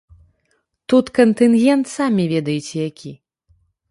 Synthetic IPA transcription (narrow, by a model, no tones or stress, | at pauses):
t̪ut̪kɐnt̪ɨnɣʲɛnt̪samʲivʲɛd̪ɐjut͡sʲɛjakʲi